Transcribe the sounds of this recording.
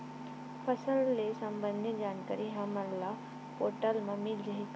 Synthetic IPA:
pʰɐsəlːesɐ̃mbə̃nd̪ʱid͡ʑaːnkaɾiɦaməɾla | poːʈəlmãmɪld͡ʒəɦik

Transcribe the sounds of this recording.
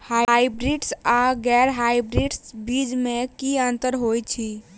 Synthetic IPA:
hajbɾiɖsaɡɛɾɦajbɾiɖsbid͡ʒmẽkiənt̪əɾɦojt͡ʃʰi

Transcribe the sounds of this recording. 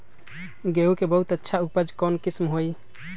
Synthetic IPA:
ɡeukebəɦut̪ətːʃʰaupəd͡ʒkɔnkismɦoj

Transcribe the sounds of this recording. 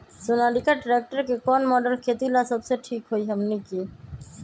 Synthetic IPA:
sonaɖikaɾʈɾek̚ʈaɾkekɔnmɔɖelkʰet̪ilasɔbseʈʰikɦojɦɛmniki

